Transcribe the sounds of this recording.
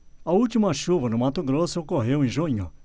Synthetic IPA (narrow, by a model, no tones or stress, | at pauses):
ɐult͡ʃimɐʃuvɐnʊmat̪ʊɡɾosʊkoɦew̃ĩʒuɲʊ̰